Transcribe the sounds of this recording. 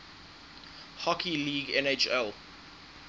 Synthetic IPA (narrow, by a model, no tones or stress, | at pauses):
hɔkʰiliːɡɛ̃net͡ʃɛl